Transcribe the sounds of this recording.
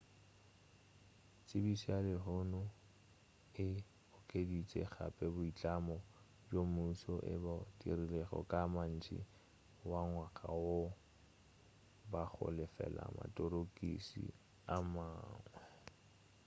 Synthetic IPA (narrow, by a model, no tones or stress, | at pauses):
t͡sʼɪbisialɪɦʊnʊ | ɪ | ʊkʼedit͡sʼɛ̰ɣa̰pʼɛbʊit͡ɬʼamɔ | d͡ʒomusɔʔɪ̰badḭrilɛɣɔ̰kʼaman̩t͡ʃʼḭ | waŋwakʼawo | bak͡xʰʊ̰lɛfɛ̰la̰ma̰tʼɔɾokʼisḭ | amaːŋwɛ